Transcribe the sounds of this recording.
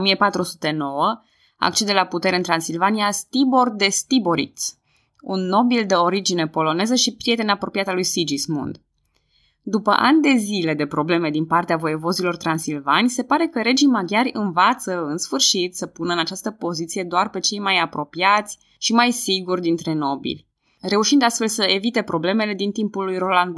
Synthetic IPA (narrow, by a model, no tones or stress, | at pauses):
omiepat̪ɾusu̥t̪eno̞wə | a̰k̚t͡ʃe̞d̪e̞laput̪e̞ɾeɨnt̪ɾansilvanijast̪ibo̞rd̪e̞st̪ibo̞ɾḭt̪s | ṵnːo̞bild̪eo̞ɾid͡ʒine̞po̞lo̞ne̞zəʃipɾie̞t̪e̞napɾo̞piat̪alujsid͡ʒismṵnd̪ | d̪upə̰ʔa̰nʲd̪e̞zile̞d̪e̞pɾo̞ble̞me̞d̪inpart̪eavo̞jevo̞zilo̞rt̪ɾansilvanʲse̞paɾe̞kəɾe̞d͡ʒijmaɡʲjaɾʲɨnvat̪səɨnsfɨrʃit̪səpunəɨnat͡ʃast̪əpo̞zit̪sije̞d̪oarpe̞t͡ʃe̞jmajapɾo̞piat̪sʲ | ʃimajsiɡurd̪int̪ɾe̞no̞bḭlʲ | re̞uʃind̪ast̪fe̞lsəe̞vit̪e̞pɾo̞ble̞me̞le̞d̪int̪impulːujro̞land̪